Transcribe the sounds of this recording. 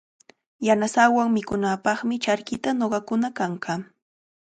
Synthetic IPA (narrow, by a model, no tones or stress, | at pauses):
janasawaŋmɪkʊnaːpɑχmɪt͡ʃaɾkɪt̪anoɢɑkʊnakaɴɢɑ